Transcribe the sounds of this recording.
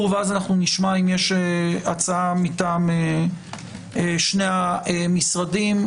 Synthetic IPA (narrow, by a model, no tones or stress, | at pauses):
veazanaχnuniʃmaimjeʃeat͡saamitame | eʃne̞aemisʁadim